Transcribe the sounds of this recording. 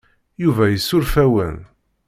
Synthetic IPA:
juvæjəsːʊɾfæwə̰n

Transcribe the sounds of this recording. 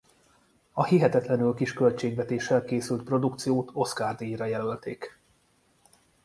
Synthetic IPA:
ɒhiɦɛt̪ɛt̪lɛnylkiʃkø̞lt͡ʃeːɡvɛt̪eːʃːɛlkeːsylt̪̚pro̞d̪ukt̪sijoːt̪ʰo̞skaːrd̪iiɾɒjɛlø̞lt̪eːk

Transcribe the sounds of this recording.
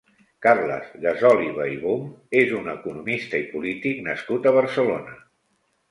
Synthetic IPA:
karlə̰zɣəzɔliβəiβumezunəkunumist̪əipulit̪iknəskut̪əβ̞əɾsəlonə

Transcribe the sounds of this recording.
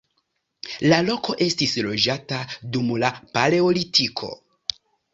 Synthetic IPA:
lalo̞ko̞ʔe̞stislo̞d͡ʒatadumlapale̞olitʰikʰo̞̰

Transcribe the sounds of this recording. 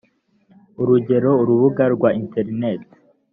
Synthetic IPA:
uɾuɟe̞ɾo̞uɾuβuɡaɾɡwainte̞ɾinet

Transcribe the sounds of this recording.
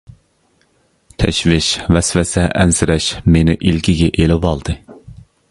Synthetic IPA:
t̪ʰɛʃvɪʃvɛsvɛsɛʔɛnsɪɾɛʃmenɪʔilkʲʰiɡʲɛʔelɪvɑlˠd̪ɨ

